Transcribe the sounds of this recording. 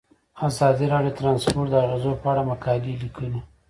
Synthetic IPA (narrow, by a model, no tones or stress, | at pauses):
azɑd̪iɾɑɖjot̪ɾɑnspoɾʈd̪əaɣezopəaɽamakɑlilikʰəli